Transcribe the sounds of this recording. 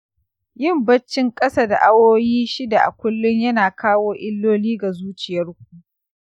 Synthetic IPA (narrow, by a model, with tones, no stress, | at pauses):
jɪ˦˨mbɐ˦t͡ʃːɪ˦ŋkʼɐ˦sa˦da̰˨ʔa˦woː˦jiː˦ʃɪ˦da˨ʔa̰˨kʷʊ˦lːʊ˦ɲjɐ˦naː˨kaː˦woː˦ʔɪ˦lːoː˦liː˦ɡa˨zuː˦t͡ʃɪ˨jɐ˦rk̚ʷuː˦